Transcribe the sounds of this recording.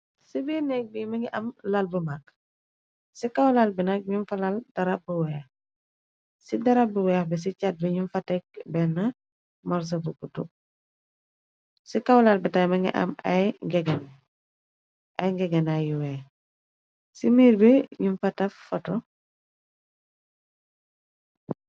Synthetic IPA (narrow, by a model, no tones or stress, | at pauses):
sibiːnɛk̚bimɐŋɡiʔɐmlalbumak̚ | sikawlalbɛnɐɲunfɐlaldɐɾabuwɛːx | sidɐɾabuwɛxbis̬icat̚biɲumfɐtɛk̚bɛnɐ | mɔɾs̬ɐbukutu | sikawlaːlbɐtajmɐŋɡɛ̰ʔɐ̰ma̰jŋɡɛɡɛn | ʔajŋɡɛɡɛnajuwɛː | simiːɾbiɲuɱfɐtɐfːɐtɔ